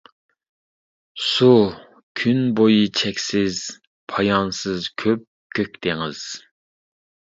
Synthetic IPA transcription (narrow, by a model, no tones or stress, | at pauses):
su | kʲʰynbojit͡ʃʰɛkʲsɪz | pʰɑjɑnsɨzkʲʰøp̚ | kʲʰøkʲt̪ʰɪŋɨ̰z̥